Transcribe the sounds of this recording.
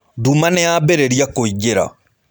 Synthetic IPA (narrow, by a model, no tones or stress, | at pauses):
dumanɛabeɾeɾiakoiɡeɾa̰